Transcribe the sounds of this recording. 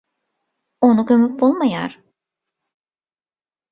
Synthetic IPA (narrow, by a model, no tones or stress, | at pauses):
onukømyp̚bolˠmaja̰ɾ